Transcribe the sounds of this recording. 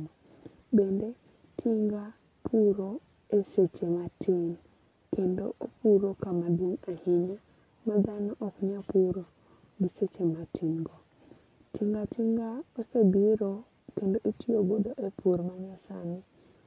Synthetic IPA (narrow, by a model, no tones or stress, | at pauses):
m | bende | tʰiŋɡa | pʰuɾo | eset͡ʃematin | kendo̰opuɾokamaduŋahiɲa | madanoʔokuɲapuɾo | biset͡ʃematiŋɡo | tiŋɡatiŋɡaosebiɾo | kendoʔitijoɡoɗoʔepʰuɾmaɲasa̰mi